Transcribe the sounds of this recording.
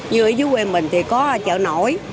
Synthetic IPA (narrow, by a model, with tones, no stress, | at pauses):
ɲɨ˧˩ʔi˨˦zu˨˦we˧mï˨˩ŋ̟t̪ʰi˨˩kɔ˨˦˧t͡ɕə̰ː˧˨no̰˧˩˨j